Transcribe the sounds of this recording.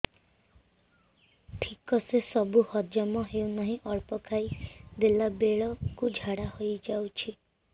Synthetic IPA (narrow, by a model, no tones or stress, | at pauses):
ʈʰikɔsesɔbuhɔd͡ʒjɔmɔɦewnɔɦĩʔɔɭpɔkʰajd̪elabeɭɔkud͡ʒʱaɽahojd͡ʒawt͡ʃʰi